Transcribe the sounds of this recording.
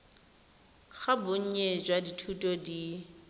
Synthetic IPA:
ɣabʊɲ̩ɲed͡ʒwaditʰutʼɔdi

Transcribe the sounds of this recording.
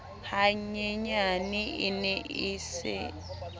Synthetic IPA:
haɲɛɲaniinɛʔiːsɛ̰

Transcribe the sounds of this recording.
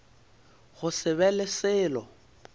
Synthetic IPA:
ɣʊsɪβɛlɪsɪːlɔ

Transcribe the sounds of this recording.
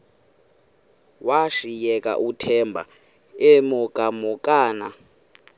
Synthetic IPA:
waʂijɛkʼa̰ʔutʰɛmbʱa̰ | emukʼamukʼaːna

